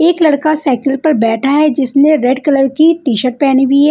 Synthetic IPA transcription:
eːklɐɽkasaːkɪlpɐɾbɛːʈʰaɦɛd͡ʒɪsnẽɾeɖkɐləɾkiʈiːʃəʈ̚pɛːñibiɦɛː

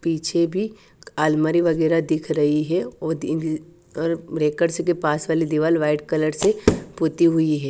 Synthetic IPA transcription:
piːt͡ʃʰebʱi | aːlmaɾiʋɐɡɛːɾad̪ɪkʰɾɐɦiɦɛɔ | ɔːɾɾeːkəɖsekepaːsʋaːlid̪ɪʋaːlʋaːɪʈkɐləɾsepʊt̪iɦʊiɦɛː

